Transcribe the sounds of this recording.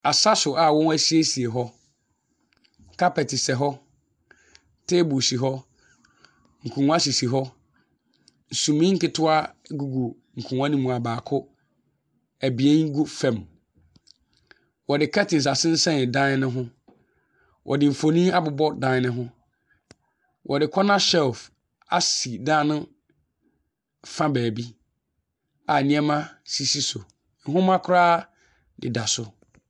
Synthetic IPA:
a˨sa˦sʊ˨a˨wɔ̃˦n˦æ˦si˦e˦si˨e˨ɦɔ˦ | kʰa˦pɛ˨tʰɪ˨sɛ˨ɦɔ˦ | tʰe˦bu˨si˨ɦɔ˦ | ŋ̩˨kʰũ˨ŋ˦ã˦si˨si˨ɦɔ˦ | n̩˨sũ˨mĩ˦ŋ̩˦kɪ˦tʰʊ˦a˦ɡu˨ɡu˨ | ŋ̩˨kʰũ˨ŋã˦nĩ˦mũ˨a˨baː˨kʰʊ˦ | æ˨bi˨e˦ŋ˦ɡu˦fɛ̃˨m | wɔ˨dɪ˨kʰɛ˦tɪ̃˨n̩˨s̬a˨sɪ̃˦n̩˦sɛ̃˦nɪ˨dã˦n˦nɪ̃˦ɦʊ̃˦ | wʔɔ̰˨dɪ˨m̩˨fo˨nĩ˦a˦bʊ˨bɔ˦dã˦n˦nɪ̃˦ɦʊ̃˦ | wʔɔ˨dɪ˨kʰɔ˦nã˦ʃɛ˦lf | a̰˨si˨dãː˦nʊ̃˦ | fã˦bæː˨bi˦ | a˨nɪ̃˦ɛ˦mã˦si˦si˦so˨ | n̩˨ɦʊ̃˦mã˦kʰʊ˦ɾaː˦ | dɪ̰˨da˨sʊ˦

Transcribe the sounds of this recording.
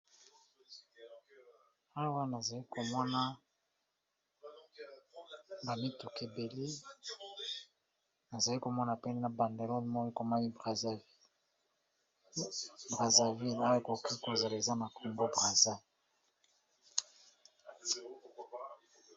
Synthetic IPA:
a˦˨wa˦na˨za˨li˦ko˨mɔ˦na˦ | ba˨mi˦tu˨ke˨be˨li˦ | na˨za˨li˦ko˨mɔ˦na˨pɛ˦ni˦na˨ba˨nde˨lo˦lmɔ˦ji˦ko˨ma˦li˦b | bʁa˨za˨vi˦la˦jo˨ko˨ki˦ko˨za˨la˨e˨za˦na˨kʰo˨mbo˦bʁa˨za˦

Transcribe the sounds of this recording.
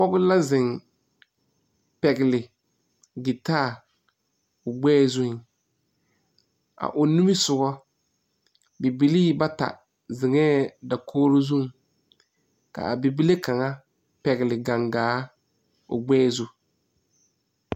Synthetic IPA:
k͡pɔ˦ɣʊ˦la˦zɪ˨ŋ | pɛ˨ɡɪ˨lɪ˨ | ɡɪ˨taː˦˨ | ʊ˨ɡ͡bɛː˦zʊ˦hɪ˦ŋ | a̰˨ʔʊ˨nu˦mi˦sʊ˨ɡɔ˦ | bi˨bi˨˦li˦ba˦ta̰˨ | zɪ˨ŋɛː˦da˨kʰoː˦ɾo˦zu˦ŋ | ka̰˨a˨bi˨bi˦le˦ka˨ŋa˦ | pɛ˨ɣɪ˨lɪ˨ɡa˨ŋɡaː˨˦ | ʊ̰˨ɡ͡bɛː˦zʊ˦

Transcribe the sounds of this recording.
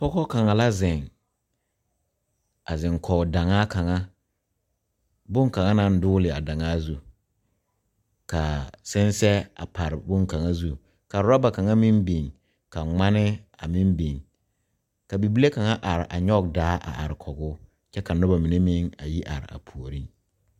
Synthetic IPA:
pɔ˦kɔ˦ka˨ŋa˨la˦zɪ˨ŋ | a˨zɪ˨ŋkʰɔ˨da˨ŋaː˦ka˨ŋa˦ | bʊ˦ŋka˨ŋa˦na˨n̩˦dʊː˦lɪ˨a˨da˨ŋaː˦zu˦ | ka˨sɪ˦nsɛ˦a̰˨pʰa˨ɾɪ˨bʊ˦ŋka˨ŋa˦zu˦ | ka˨ɾʊ˨˦a˦ba˨ka˨ŋa˦mi˦mbi˨ŋ | ka˨ŋ͡ma˦nɪ˦a˨mi˦mbi˨ŋ | ka˨bi˨bi˦le˦ka˨ŋa˦ʔa˨ɾɪ˨ʔa̰˨ɲɔ˦ɡ̚daː˦ʔa̰˨ʔa̰˨ɾɪ˨kʰɔ˨ɡʊː˦ | t͡ʃɛ˦ka˨nʊ˦ba˨mi˨ne˦mɪ˦ŋa˨ji˦ʔa̰˨ɾɪ̰˨a̰˨pʰu˨o˨ɾi˦

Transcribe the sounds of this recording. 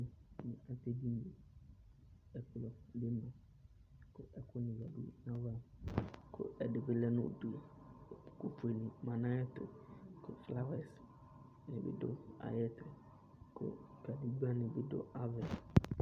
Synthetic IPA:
nɪ̃˨a˨tɛ˦di˦m˨e˨ | ɛ˨klɔ˨dɪ˦mɛ̃˨ | kʰʊ˨ʔɛ˨kʰʊ˦nɪ̃˨za˨du˦nã˦va˦kʰʊ̰˦ɛ˨dɪ˨bɪ˦lɛ˦nʊ̰̃˦˨du˨a˨kʊ˨fe˨nĩ˨mã˨nã˦ɛ˦tʊ̰˨kʰʊ˨fla˦wɛ˨s | nɪ̃˨bɪ̰˨dʊ̰˦a̰˨jɛ˦tɾɛ˨ | kʰʊ̰˨ | ka˨di˦ɡ͡ba˦nɪ̃˨bɪ˦dʊ̰˦a˦vɛ˨n

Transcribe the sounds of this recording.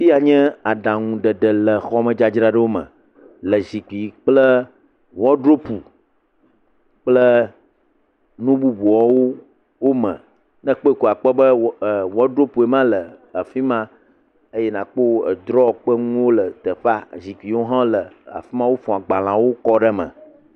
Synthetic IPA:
fi˦a˨ɲɛ̃˦a˨ɖa˨ŋũ˨ɖə˨ɖə˨lə˨xɔ˦mə̃˨d͡ʒa˨d͡ʒɾa˦ɖə˦wo˦mə̰̃˨ | lə˨zi˨ki˨k͡plə˦ | wɔ˦ɖɾo˦pu˨ | k͡plə˦ | nũ˦bu˦bu˨ɔ˦wo˦ | wo˦mə̰̃˨ | nə̃˦k͡po˦e˨ku˨a˨k͡pə˦bə˦˨wɔ˦ɖɾo˦pu˨e˨mã˦lə˨a˨fi˦mã˦ | ə˦jɛ˦nã˨k͡po˦˨ə̰˨d̪ɾɔ˦˨k͡pə˦ŋũ˦wo˦lə˨t̪ə˨ɸa˦zi˨ki˨wo˦ɦã˦lə˨a̰˨fi˦mã˦wo˦fɔ̃˨a˨ɡ͡ba˨lã˨wo˦kɔ˦ɖə˦mə̰̃˨

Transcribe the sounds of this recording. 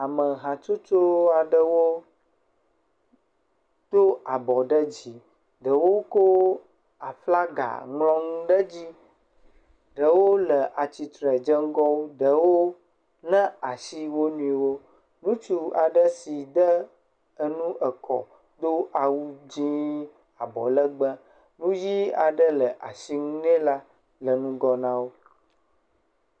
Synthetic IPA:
a˨mə̃˨ɦã˨t͡ʃo˦t͡ʃo˦a˨ɖə˦wo˦ | d̪̥o˦a˨bɔ˨ɖə˦d͡ʑi˨ | ɖə˨wo˦ko˦ | a˨fla˦ɡa̰˨ŋlɔ̃˦ŋũ˦ɖə˦d͡ʑi˦ | ɖə˨wo˦lə˨ʔa˨t͡ɕi˨t̪ɾɛ˨d͡ʒə˦ŋ̩˦ɡɔ˦wo˦ɖə˨wo˦ | nɛ̃˦a˨si˦wo˦nũ˦i˨wo˦ | nũ˦t͡ʃu˦a̰˨ɖə˦si˨d̪ə˦ | ə˦nũ˦ʔə˨kɔ̰˨ | d̪o˦ʔa˨wu˦d͡ʑĩ˦ | a˨bɔ̰˨lə˦ɡ͡bə˦ | nũ˦ji˦a˨ɖə˦lə˨ʔa̰˨si˦ŋũ˦nɛ̃˦la˦ | lə˨nũ˦ɡɔ˦nã˦wo˦

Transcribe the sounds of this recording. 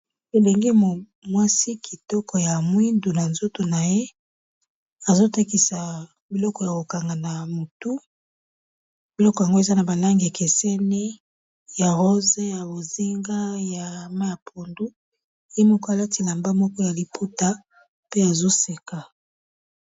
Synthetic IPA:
e˨le˨ŋɡi˦mo˨ | mwa˦si˦kʰi˨tɔ˦kɔ˨ja˨mwi˦ndu˨na˨nzo˦to˨na˨je˦ | a˨zo˦ta˦ki˨sa˨ | bi˨lɔ˦kɔ˨ja˨ko˨ka˨ŋɡa˨na˨mo˨tu˦ | bi˨lɔ˦kɔ˨ja˨ŋɡo˦e˨za˦na˨ba˨la˦ŋɡa˨ke˨sɛ˦ni˦ | ja˨ʁo˦ze˦ja˨bo˨zi˦ŋɡa˦ja˨ma˦ja˨pʰo˨ndu˦˨ | je˦mo˨ka˦a˨la˦ti˨la˨mba˦mɔ˦kɔ˦ja˨li˨pʰu˦ta˦ | pe˦a˨zo˦se˨ka˨

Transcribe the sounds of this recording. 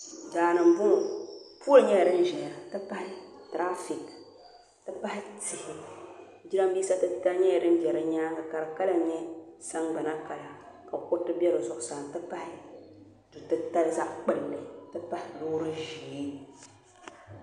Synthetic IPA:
daː˨nɨ˨m̩˨bʊ˦pu˦a˦ɲɛ˦˨ɾɨ˦n̩˦ʒɛ˨ɾa˨tɨ˦pa˦hɪ˦ | tɾa˦fi˨k | tɨ˦pa˦hɪ˦tɪ˨hɪ˨˦ | d͡ʒi˦ɾa˦m˦biː˦sa˦tɨ˦ta˦ɲɛ˦˨dɨ˦n̩˦d͡ʒɛ˨ɾɨ˦ɲaː˦ŋa˨ka˨ɾɨ˨ka˦la˦ɲɛ˦sa˦ŋɡ͡ba˨na˦ka˨la˨ | ka˨kʊ˦tɨ˦bɛ˦ɾɨ˨zʊ˨ʔʊ˨saː˨n˨tɨ˦pa˦hɪ˦ | du˨tɨ˦ta˦lza˦ʔk͡pɨ˦llɨ˨tɨ˦pa˦hɪ˨loː˦ɾɨ˦ʒiː˨˦n˨

